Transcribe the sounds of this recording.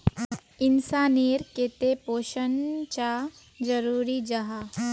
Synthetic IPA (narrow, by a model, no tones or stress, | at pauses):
ɪnsaːniːɾket̪epoːʃənt͡ʃa | d͡ʒɐɾuːɾid͡ʒaɦa